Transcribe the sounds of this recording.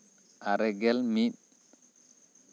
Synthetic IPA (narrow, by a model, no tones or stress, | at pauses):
ʔaɾɛɡɛlmiɗ